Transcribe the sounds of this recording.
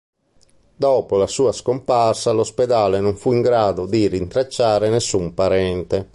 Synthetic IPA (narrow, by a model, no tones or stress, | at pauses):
d̪ɔːpolasuːaskomparsalospɛd̪aːlenoɱfuiŋɡɾaːd̪od̪irint̪ɾat͡ʃːaːɾenesːumpaɾɛnt̪ɛ